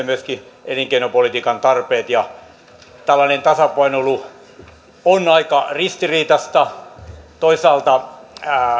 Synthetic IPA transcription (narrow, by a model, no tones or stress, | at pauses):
myøskieliŋkeinopolit̪iːkɑnt̪ɑrpeːt̪jɑ | t̪ælːɑnent̪ɑsɑpɑinolu | onɑikɑrist̪iriːt̪ɑst̪ɑ | t̪oisɑːlt̪ɑ